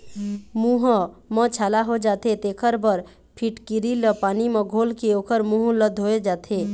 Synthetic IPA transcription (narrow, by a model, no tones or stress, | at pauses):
mũɦmə̃t͡ʃʰaːlaɦod͡ʒaːt̪et̪eːkʰəɾbəɾ | pʰiʈkiɾiləpaːnimẽɡʱoːlkeoːkəɾmũɦləd̪ʱɦoed͡ʒaːt̪ʰe